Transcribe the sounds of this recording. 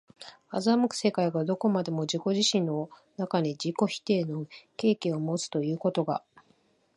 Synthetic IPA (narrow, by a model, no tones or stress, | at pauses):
azamɯ̟kɯ̟̥se̞kaiɡad̪o̞ko̞mad̪e̞mo̞d͡ʑiko̞ʑiɕĩnːo̞ | nakaɲ̟id͡ʑiko̞çi̥t̪e̞ːno̞ke̞ːkʲiomo̞t͡sɨ̥t̪o̞jɯ̟ːko̞t̪o̞ɡa̰